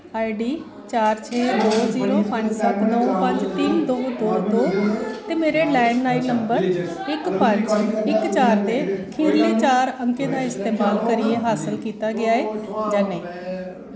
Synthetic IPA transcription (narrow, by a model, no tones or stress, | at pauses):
aːiɖiː | t͡ʃaːɾt͡ʃʰeːd̪oːziːɾõːpəɲd͡ʒsət̪nəpəɲd͡ʒt̪ɪnd̪oːd̪oːd̪oːt̪eːmeːɾeːlɛːnːaːiːləmbəɾ | ɪkpəɲd͡ʒɪkt͡ʃaːɾd̪eːkʰiːɾliːt͡ʃaːɾəŋkẽːd̪aːɪst̪eːmaːlkəɾiːeːɦaːsəlkiːt̪aːɡɪaːeːd͡ʒaːnɛĩː